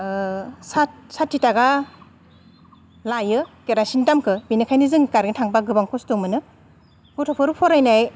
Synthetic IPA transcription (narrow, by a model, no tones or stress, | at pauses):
sat̚satʰːitaɡa | lajɯkeɾasindamkʰɯbinɯkʰajnɯzɯŋkaɾɡintʰaŋbaɡɯbaŋkʰɔstɔmɯnɯ | pʰɔtʰɔpʰɯɾupʰɔɾajnaj